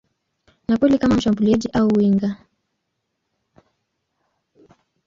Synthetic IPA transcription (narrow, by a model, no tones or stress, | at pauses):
nakwɛlikamam̩ʃambuliɛʄiʔauwiŋɡa